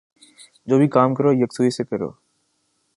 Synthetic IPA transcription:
d͡ʒoːbʱiːkaːmkəɾoːjəksuːiːseːkəɾo̰ː

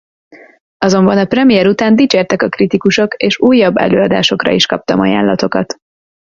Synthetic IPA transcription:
ɒzo̞mbɒnɒprɛmijɛɾut̪aːnd̪it͡ʃeːrt̪ɛkɒkrit̪ikuʃo̞keːʃuːjːɒbːɛ̰løːɒd̪a̰ːʃo̞krɒ̰iʃkɒp̚t̪ɒmɒ̰ja̰ːnlɒt̪o̞kɒt̪

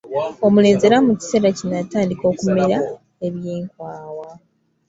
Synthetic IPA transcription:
o̞mule̞ːnze̞ɾamuci̥se̞ːɾacinataːndiko̞ːkume̞ɾa | e̞βjeːŋkwaːwa

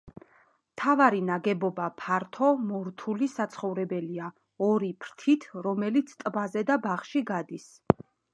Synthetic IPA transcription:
mt̪ʰavaɾinaɡɛbɔbapʰaɾt̪ʰɔmɔɾt̪ʰulisat̪sʰχɔvɾɛbɛlia | ɔɾipʰɾt̪ʰit̪ʰɾɔmɛlit̪sʰt̪ʼbazɛd̪abaχʃiɡad̪is

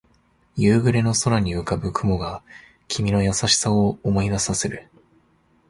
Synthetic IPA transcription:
jɯːɡɯ̟ɾe̞no̞so̞ɾaɲ̟imɯ̟kabɯ̟kʰɯ̟mo̞ɡa | kʲʰimʲino̞jasaɕi̥saoːmo̞id̪asase̞ɾɯ̟

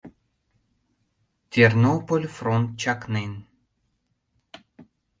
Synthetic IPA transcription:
t̪ʲernopolʲfront̪̚t͡ɕaknen

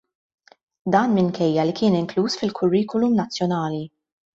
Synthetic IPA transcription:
d̪ɐːnmɪŋkʰɛjːɐlikɪːnɪŋkluːsfɪlkʰʊrːiːkɔlumnɐt͡sːjɔnɐːli

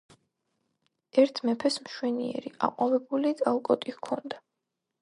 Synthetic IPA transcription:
ɛɾt̪ʰmɛpʰɛsmʃwɛniɛ̰ɾiʔa̰qʼɔvɛbulit̪ʼalˠkʼɔt̪ʼikʰɔnd̪a

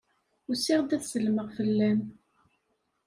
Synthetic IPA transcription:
ʊsɪʁd̪æθsəlməʁfəlːæn

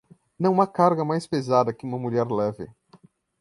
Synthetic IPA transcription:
nɐ̃w̃ũmɐkaɾɡɐmajspezad̪ɐkɪũmɐmuʎɛɾlɛvɪ̰

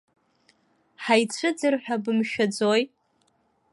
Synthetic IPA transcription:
ħajt͡ɕʷʰɨd͡zɨrħʷᶣabɨmʃᶣad͡zoj

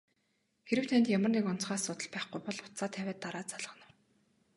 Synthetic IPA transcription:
xeɾɘ̆w̥t̪ʰænʲt̪jamə̆rnekʊn̥t͡sχaːssʊt̪ə̆ɮpæːχɡujpɔɮʊ̥t̪t͡saːt̪ʰːæwʲæːt̪ːaɾaːt͡saɮə̆χnə̆w

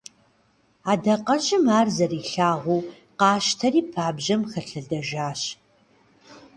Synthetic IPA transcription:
aːdɐqɐʑɪmaːrzɐriːɬaːʁʷuː | qɑːʃtʰɐriːpʰaːbʑɐmxɐɬɨɮdɐʒaːɕ

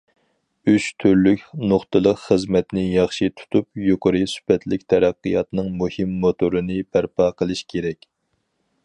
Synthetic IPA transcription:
yt͡ʃt̪ʰyɾlykʲnʊχt̪ɨlˠəqχəzmɛt̪nɪjɑχʃit̪ʰu̥t̪ʰupjoqəɾɨsy̥pɛt̪ʰlɪkʲt̪ʰɛɾæqːɨjɑt̪nɨŋmuhimːot̪oɾɨnɨpʰæɾpɑqʰəlˠɨʃkʲʰeɾɛkʲ

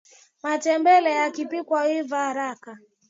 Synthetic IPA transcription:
matɛmbɛlɛjakipikwawivaːɾaka

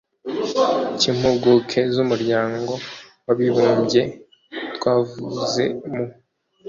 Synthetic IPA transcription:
cim̥uɡukʰe̞zumuɾɟaːŋɡo̞ | waβiβuːɲɟe | twaːvuze̞̰mu

